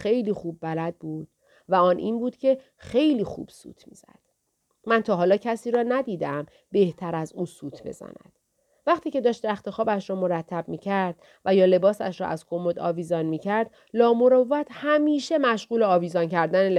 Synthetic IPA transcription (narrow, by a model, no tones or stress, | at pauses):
xe̞jliːxuːbːælæd̪̚buːd̪̥̚ | væɒːnʔḭːnbuːd̪̥cʰe̞ | xe̞jliːxṵːb̥sṵːt̪ʰmḭːz̥æ̰d̪̥ | mænt̪ʰɒːɦɒːlɒːcʰæsiːɾɒːnæd̪iːd̪eæm | be̞ht̪ʰæɾæzuːsuːt̪ʰbe̞̰z̥æ̰næ̰d̪̥ | væχt̪ʰiːce̞d̪ɒːʃt̪ɾæxt̪e̞xɒːbæʃɾɒːmo̞ɾæt̪ʰːæb̚miːcʰæɾd̪̚ | væjɒːle̞bɒːsæʃɾɒ̰ʔæzkʰo̞mod̪ɒ̰ːviːzɒnmiːcʰæɾd̪̥ | lɒːmo̞ɾɒæt̪ʰhæmiːʃe̞mæʃɣuːleɒːviːzɒncʰæɾd̪æne